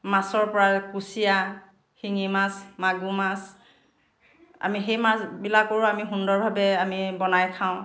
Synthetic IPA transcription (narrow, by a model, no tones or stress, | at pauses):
masɔɹpɔɹakusija | xiŋimasmaɡumas | a̰mixejmasbilakoɹʊamiɦundɔɹbʱabɛamibɔnajkʰaʊ̃